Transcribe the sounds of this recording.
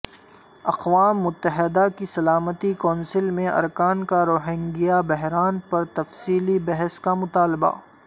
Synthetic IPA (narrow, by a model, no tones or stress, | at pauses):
ɐqʋaːmːʊt̪ːəɦɪd̪akisɐlaːmət̪ikɔ̃ːnsɪlmẽʔɐ̰ɾkaːnkaɾoːɦɪ̃ŋɡijabɛɦɾaːnpɐɾt̪ɐfsiːlibɛɦəskamʊt̪aːlba̰ː